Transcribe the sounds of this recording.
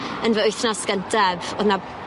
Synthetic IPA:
ənvəʊjθnɔsɡ̥ənd̥ɛvoðna

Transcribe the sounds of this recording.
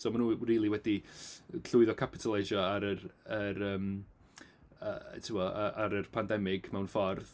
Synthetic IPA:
somanuːriːlˠiwɛdiɬʊɨðɔkʰapʰɪtʰəlˠeʃɔaɾərəɾəːm | ə̰tʰɪwɔəʔaɾərpʰandɛmɪɡ̥mɛwnfɔrð

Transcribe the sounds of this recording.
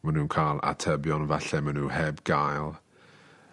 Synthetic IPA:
manuːnkʰalˠa̰tʰəbjɔnvaɬɛmanuːhɛbɡ̥ajlˠ

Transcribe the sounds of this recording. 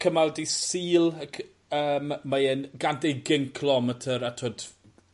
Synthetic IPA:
kʰəmaldisiːlˠəkʰ | əːmːajɛnɡandeɡɪŋkʰlɔmətʰəɾatʰoːd̥

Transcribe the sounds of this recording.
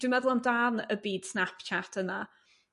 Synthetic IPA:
d̥wɪmɛðʊlˠamdaːnəbiːd̥snapt͡ʃʰatʰəna

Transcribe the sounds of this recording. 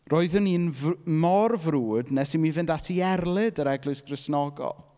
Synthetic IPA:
roːɨðəniːnvmɔrvruːdnɛsimivɨndatʰiɛrlˠɪdəɾɛɡlʊɨsɡ̥rɪsnɔɡɔ̰lˠ

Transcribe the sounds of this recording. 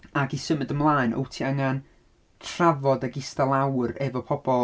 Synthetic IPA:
aɡisəmədəmlˠaːɨnʔo̰wtʰiəŋan | tʰravɔdaɡɪstalˠawrɛvɔpʰɔbɔ

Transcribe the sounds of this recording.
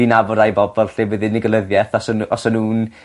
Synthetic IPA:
inavɔɾajbɔbɔlˠɬewəðɨnɪɡəlˠəðjɛθɔsənɔsənuːn

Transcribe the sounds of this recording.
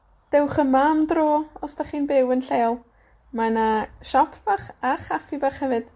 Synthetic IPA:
d̥ɛwχəmamdroːɔsd̥aχiːnbɪwənɬeːlˠ | manaʃɔpʰb̥aχaχafibaχhɛvɨd̥

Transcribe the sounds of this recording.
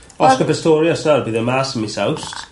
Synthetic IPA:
ɔskəpɛstɔːɾjɔsarbiːðəmasəmɪsawst

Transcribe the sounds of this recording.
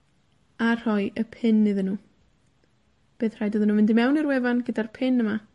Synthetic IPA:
ar̥ɔɨʔəpʰɪnːɨðənuː | b̥eːθr̥ajdɔðənuːmɪndimɛwnirwɛvanɡədarpʰɪnəma

